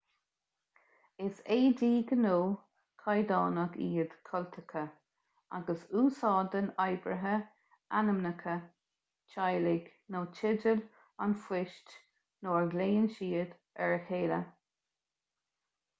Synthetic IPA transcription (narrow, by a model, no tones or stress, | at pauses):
ɪseːdiːɡənoː | kʰajd̪ɑːnəɡḭːəd̪̥kʰɔlt̪ʰəkʰə | a̰ɡəsuːsɑːd̪ənajbɹə̰ɦə | anəmnəkʰə | t͡ʃʰajlɪɡ̥ | noːt͡ʃʰɪdəl | a̰nfɪʃt͡ʃ | noːɹɡleːənʃiːəd̪ | ɛɹheːlə